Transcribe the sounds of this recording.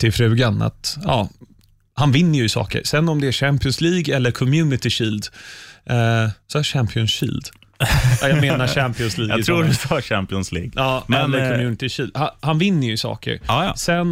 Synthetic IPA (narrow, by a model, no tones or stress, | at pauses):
t̪ʰɪlfɾʉ̟ːɡana̰t̪ɑː | hanvɪnːəjɵɪsɑ̰ːkə̰ɾsɛnːɔmd̪ɛæɕæmpɪʊnsliːɡɛlːəɾkʰɔmjʉ̟ːnɪt̪ɪɕiːld̪ | sɔæʂæmpʰɪʊnsɕḭːld̪ | ajameːnaʂæmpɪʊnsliːɡɑt̪ʰɾuːɖɪsɔɕæmpɪɔnslḭːɡʔɑːmɛnlːəɾkʰɔmjʉːnɪt̪ɪɕiːld̪hahanvɪnːəjɵɪsɑ̰ːkə̰ɾsɛn